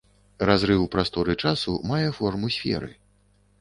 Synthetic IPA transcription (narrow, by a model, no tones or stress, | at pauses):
razɾɨwpɾast̪ɔɾɨt͡ʂasumajɛfɔrmusʲfʲɛ̰ɾɨ̰